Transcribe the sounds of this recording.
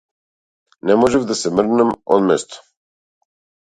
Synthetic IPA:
nɛmɔʒɛvd̪asɛmr̩namɔ̰d̪mɛst̪ɔ̥

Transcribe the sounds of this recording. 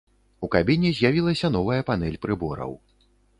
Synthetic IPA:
ukabʲinʲizʲjavʲilˠɐsʲɐn̪ɔvɐjɐpan̪ɛlʲpɾɨbɔɾɐ̰w

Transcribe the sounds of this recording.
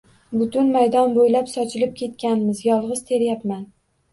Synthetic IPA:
bʊt̪ʊnmajd̪ɒnbojlapsɒt͡ʃʰɪlɪp̚kʲʰe̞t̪kʲanmɪzjɒlˠʁɨz̥t̪ʰe̞ɾjapman

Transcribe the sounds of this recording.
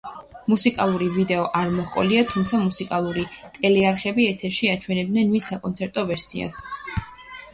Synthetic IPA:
musikʼa̰lˠuɾivid̪ɛɔʔaɾmɔχqʼɔ̰liat̪ʰumt̪sʰamusikʼalˠuɾit̪ʼɛlɛaɾχɛbiɛt̪ʰɛɾʃiat͡ʃʰwɛnɛb̚d̪nɛnmisːakʼɔnt̪sʰɛɾt̪ʼɔvɛɾsḭa̰s

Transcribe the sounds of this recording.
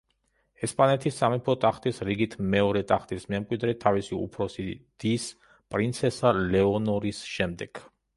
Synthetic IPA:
ɛspʼanɛt̪ʰisːamipʰɔt̪ʼaχt̪ʼisɾiɡit̪ʰmɛɔɾɛt̪ʼaχt̪ʼismɛmkʼwid̪ɾɛt̪ʰavisiṵpʰɾɔsid̪̥is | pʼɾint̪sʰɛsalɛɔnɔɾisʃɛmd̪ɛɡ̥

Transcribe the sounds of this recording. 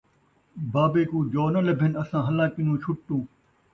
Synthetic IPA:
baːbeːkũːd͡ʒoːnəlɐbʱɪnɐsãːɦɐlãːkɪnũːt͡ʃʰʊʈ̚ʈ̪ũː

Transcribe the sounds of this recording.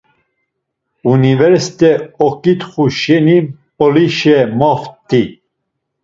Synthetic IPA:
univɛɾsi̥t̪ɛɔkʼit̪χuʃɛnimpɔliʃɛmɔft̪i

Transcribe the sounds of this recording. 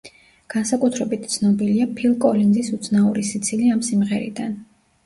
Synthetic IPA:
ɡ̥ansakʼut̪ʰɾɛbit̪̚t̪sʰnɔbiliapʰilˠkʼɔlinzisut̪sʰnaṵɾisit̪sʰiliamsimʁɛɾḭd̪an

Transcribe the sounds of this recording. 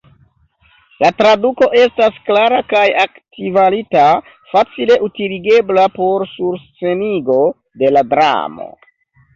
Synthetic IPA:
latɾaduko̞ʔe̞stasklaɾakajaktivalita | fat͡sile̞ʔutiliɡe̞blapo̞ɾsuɾst͡se̞niɡo̞ | de̞ladɾa̰mo̞̰

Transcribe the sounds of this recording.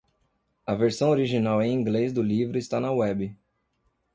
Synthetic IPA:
ɐveɾsɐ̃w̃oɾiʒinawẽj̃ĩɡlez̬d̪ʊlivɾʊɪst̪anɐwɛbɪ

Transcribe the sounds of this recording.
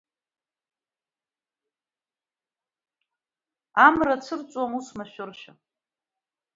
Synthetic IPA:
amrat͡sʰɨrt͡sʼwamusmaʃᶣʊrʃa

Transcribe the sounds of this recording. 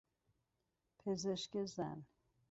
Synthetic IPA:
pʰezeʃcezæ̰n

